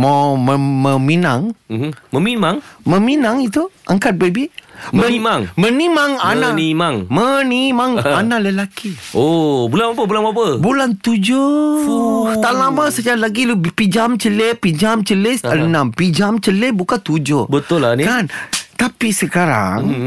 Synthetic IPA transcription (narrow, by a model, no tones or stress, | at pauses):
maməməminaŋməmimaŋməminaŋit̪uʔaŋkat̪̚bebiməimaŋmənimaŋananimaŋmənimaŋanaləlakiobulanmapəbulanmapəbulant̪ud͡ʒo | t̪alamasəd͡ʒaɾlaɡilpid͡ʒamt͡ʃəlepid͡ʒamt͡ʃəlesənampid͡ʒamt͡ʃəlebukant̪ud͡ʒobət̪ʊlːanikant̪apisəkaɾa̰ŋ